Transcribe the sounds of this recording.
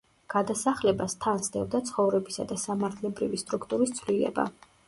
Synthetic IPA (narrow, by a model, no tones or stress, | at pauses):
ɡ̥ad̪asaχlɛbast̪ʰansd̪ɛvd̪at̪sʰχɔvɾɛbisa̰d̪asamaɾt̪ʰlɛbɾivist̪ʼɾukʰt̪ʼuɾist̪sʰvlilɛ̰ba̰